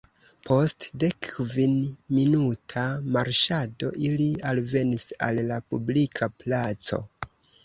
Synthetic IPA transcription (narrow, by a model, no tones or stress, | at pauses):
pʰo̞stde̞kːvinminutʰamaɾʃado̞̰ʔilialve̞nisa̰lːapublikʰaplat͡so̞̰